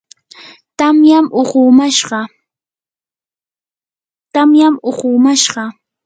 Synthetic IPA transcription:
t̪amjamʔʊχʊmaʃɢɑ | t̪amjamʊχʊmaʃɢɑ

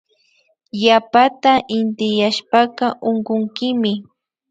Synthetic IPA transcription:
japat̪aʔɪnt̪ɪjaʃpɑqɑʔoɴɢʊŋkɪmɪ

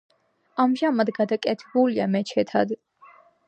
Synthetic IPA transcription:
amʒamad̪ɡad̪akʼɛt̪ʰɛbuliamɛt͡ʃʰɛt̪ʰad̪

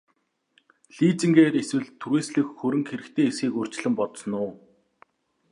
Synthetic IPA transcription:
ɮiːt͡sĭŋɡeːɾeswɘ̆ɮt̪ʰuɾweːsɮɘ̆xxɵɾɘ̆ŋxeɾɘ̆kt̪ʰeːesɡiːkɵr̥t͡ɕ̆ɮɘ̆mpɔt̪sɞ̆nʊː

